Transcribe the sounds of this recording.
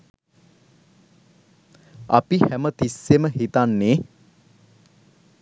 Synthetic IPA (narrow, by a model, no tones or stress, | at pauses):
a̰pihæmət̪isːeməɦit̪anːe